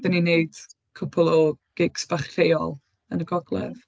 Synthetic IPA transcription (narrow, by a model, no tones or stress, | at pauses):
dənineɨd̥ | kʰʊpʰʊlˠɔɡ̥ɪɡ̥sb̥aχejɔ̰lˠ | ənəɡɔɡlˠɛ̰v